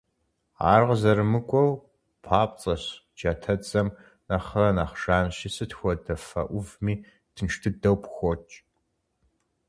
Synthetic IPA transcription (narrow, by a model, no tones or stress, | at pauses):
a̰ːrʁzɐɾɨmɨkʷʼɔw | pʰaːp̚ʼt͡sʼɐɕ | d͡ʒatʰɐt͡sʼɐm | nɐχɐnɐχʂaːnɕɪsɨtxʷɔdɐfɐ̰ʔʷʊvmiː | tʰɨnʂtʰɨdɐwpʰxʷɔt͡ʃʼ